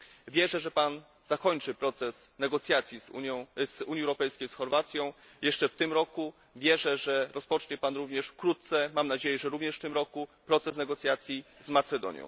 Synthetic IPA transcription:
vʲjɛʐɛʐɛpan | z̥akɔɲt͡ʂɘpɾɔt̪sɛsnɛɡɔt̪sʲjat̪sʲjizuɔ̃zuɲjiɛwɾɔpɛjskʲejsxɔɾvat̪sʲjɔ̃w̃ | jɛʂt͡ʂɛft̪ɘmɾɔku | vʲjɛʐɛʐɛɾɔspɔt͡ʂɲɛpanɾuvɲɛʂfkɾut̪t̪sɛmamnad͡ʑejɛʐɛɾuvɲɛʂft̪ɘmɾɔkupɾɔt̪sɛsnɛɡɔt̪sʲjat̪sʲjizmat̪sɛd̪ɔ̰ɲjɔ̰̃w̃

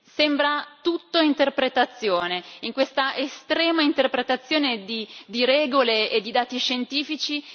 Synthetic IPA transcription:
sembɾat̪ut̪ːoint̪erpɾet̪at̪sːjoːneiŋkwest̪aʔest̪ɾɛːmaint̪erpɾet̪at̪sːjoːned̪id̪iɾɛːɡoleed̪ːid̪aːt̪iʃent̪iːfit͡ʃi

